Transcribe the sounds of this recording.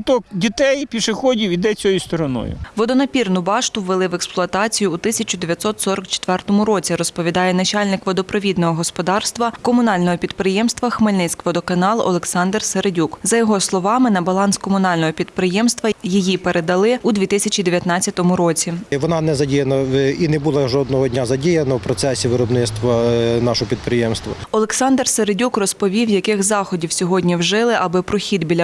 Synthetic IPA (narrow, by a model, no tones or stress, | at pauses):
t̪ɔkdʲit̪ɛjpʲiʃɪxɔdʲiwid̪ɛt͡sʲɔjʊst̪ɔɾɔnɔ̰jʊ̰ʋɔd̪ɔnɐpʲirnʊbɑʃt̪ʊwʋelˠɪʋɛksplˠʊɐt̪ɑt͡sʲijʊːt̪ɪsʲɐt͡ʃʲʊd̪eʋʲjɐt̪sɔt̪sɔɾɔkt͡ʃe̥t̪ʋɛrt̪ɔmʊɾɔt͡sʲiɾɔspɔʋʲid̪ɑjɛnɐt͡ʃɑlʲnɪkʋɔd̪ɔpɾɔʋʲid̪nɔɦɔɦɔspɔd̪ɑrst̪ʋɐkɔmʊnɑlʲnɔɦɔpʲid̪pɾɪjɛmst̪ʋɐxmɪlʲnɪt͡sʲkʋɔd̪ɔkɐnɑlˠɔ̰lˠeksɑnd̪rseɾedʲukzɐjɔɦɔslˠɔʋɑmɪnɐbɐlˠɑnskɔmʊnɑlʲnɔɦɔpʲid̪pɾɪjɛmst̪ʋɐjijipeɾed̪ɐlˠɪud̪ʲʋʲit̪ɪsʲɐt͡ʃʲid̪eʋʲjɐt̪nɑt͡sʲːɐt̪ɔmʊɾɔt͡sʲiʋɔnɑnɛzɐdʲijɐnɐinɛbulˠɐʒɔd̪nɔɦɔdʲnʲazɐdʲijɐnɐwpɾɔt̪sɛsʲiʋɪɾɔbnɪt̪st̪ʋɐnɑʃɔɦɔpʲid̪pɾɪjɛmst̪ʋɐɔlˠeksɑnd̪rseɾedʲukrɔspɔʋʲiwjɐkɪxzɑxɔdʲiwsʲɔɦɔdʲnʲiwʒɪlˠɪʔɐbɪpɾɔxʲid̪bʲilʲɐ